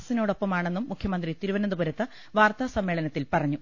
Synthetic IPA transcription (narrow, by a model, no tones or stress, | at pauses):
ɐsino̞ːɽopːɐmaːɳe̞nːumːukʰjɐmɐnd̪rit̪iɾuʋɐnɐnd̪ubɐɾɐt̪ːɐ | ʋaːrt̪aːsɐmːeːɭɐnɐt̪ːilpɐrɐɲːu